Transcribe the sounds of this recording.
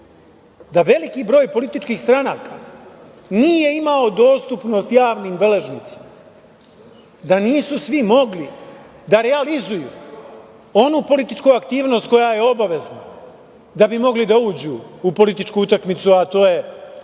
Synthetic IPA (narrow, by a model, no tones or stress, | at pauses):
d̪aʋe̞likibɾo̞ːjpo̞lit̪it͡ʃkiːxst̪ɾanaːka̰ | niːje̞imao̞d̪o̞ːst̪upno̞st̪jaːʋniːmbe̞le̞ʒnit̪si̥ma | d̪aniːsusʋimo̞ɡli | d̪aɾe̞alizujṵː | o̞nupo̞lit̪it͡ʃkuakt̪iːʋno̞ːst̪̚ko̞jaje̞o̞baʋe̞zna | d̪abimo̞ɡlid̪auːd͡ʑuːpo̞lit̪it͡ʃkuut̪akmit̪suat̪o̞ːje